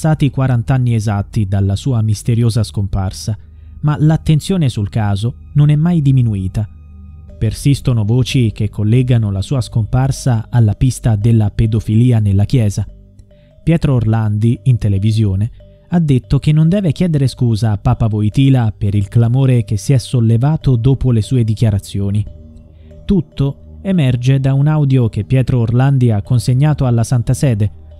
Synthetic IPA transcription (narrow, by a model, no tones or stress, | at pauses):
st̪aːt̪ikwaɾant̪anːiezat̪ːid̪alːasuːamist̪eɾjoːzaskomparsa | malat̪ːent̪sjoːnesulkaːzo | nonɛmːajd̪iminuiːt̪a | persist̪onovoːt͡ʃikekʰːolːɛːɡanolasuːaskomparsaalːapist̪ad̪elːaped̪ofiliːanelːak̟jɛːza | pjɛːt̪ɾoːrland̪iint̪elevizjoːne | ad̪ːet̪ːok̟enːond̪ɛːvekjɛːd̪eɾeskuːzaːpːaːpavojt̪iːlapeɾilklamoːɾek̟esːiɛsːolːevaːt̪od̪oːpolesuːed̪ikjaɾat̪sːjoːni | t̪ut̪ːo | emɛrd͡ʒed̪aunawd̪jok̟epːjɛːt̪ɾoːrland̪iakːonseɲːaːt̪oalːasant̪asɛːd̪e